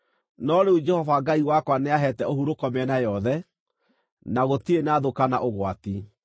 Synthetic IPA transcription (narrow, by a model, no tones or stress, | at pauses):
nɔɾeud͡ʒɛhɔvaɡaiwakwaneaɦɛtɛohuɾokɔmɛnajɔðɛ | naɣotienaðokana̰ʔoɣwati